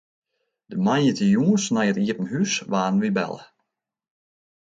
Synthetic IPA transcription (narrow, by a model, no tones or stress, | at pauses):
d̥əmajjətəjuənsnajətiətn̩hysʋaːn̩ʋibɛ̰lˠə